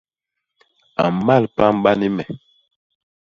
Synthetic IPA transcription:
a̰˨m˨ma˦˨lpa˦m˦ɓa˦ni˦mɛ˨

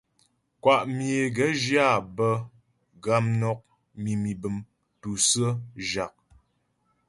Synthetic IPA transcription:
kwa˨ʔmje˨ɡə˨˦d͡ʒja˦˨bə˦ | ɡa˦mnɔ˦k̚ | mi˨mi˨bɨ˨m | tu˨sə˦ʒa˨k̚

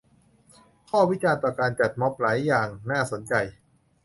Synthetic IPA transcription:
kʰɔː˥˩wi˦˥t͡ɕaː˧nt̪ɔː˨˩kaː˧nt͡ɕa˨˩t̪̚mɔ˦˥p̚laː˩˦jːaː˨˩ŋnaː˥˩so˩˦nt͡ɕa˧j

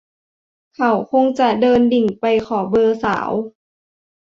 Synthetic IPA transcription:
kʰa˧˩wkʰo˧ŋt͡ɕa˧˩dɤː˧ndi˨˩ŋpa˧jkʰɔː˨˩bɤː˧sa̰ː˩˦w

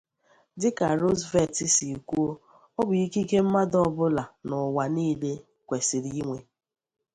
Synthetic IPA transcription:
dɪ˦ka˨ɾo˦zve˦ti˨si˨kʷu˦o˦ | ɔ˦bʊ˨i˦ki˦ke˦m̩˦ma˦dɔ˦˨bʊ˦la˨nɔ˨wa˨niː˦le˦ | kʷe˨si˨ɾi˨i˦ŋʷe˨

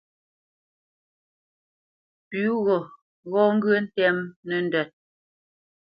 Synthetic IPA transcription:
pʉ˨˦ɣɔ˨ | ɣɔ˦ŋ̩˦ɡɥə˦n̩˦tɛ˦mnɛ˨n˨dɛ˨t̚

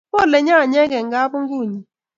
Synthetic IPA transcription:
o˦˨le˨ɲa˦˨ɲɛ˦ɡe˨ŋ̩˨ɡa˦pʊ˦ŋ̩˦ɡu˦˨ɲi˨

